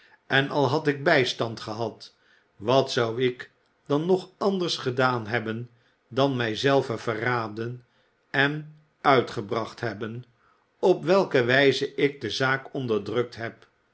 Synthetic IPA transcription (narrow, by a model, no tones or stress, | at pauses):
ʔɛnɑlˠɦɑtɪɡ̚bɛjstɑntχəɦɑt | ʋɑtsɑwɪk | d̥ɑnːɔχɑndəɹsχədaːnɦɛbən | dɑnmɛjzɛlˠvəvəraːdən | ɛn | œɥtχəbrɑχtɦɛbən | ɔpʋɛlˠkəʋɛjzəʔɪk̚dəzaːkɔndəɹdrɵk̚tɦɛp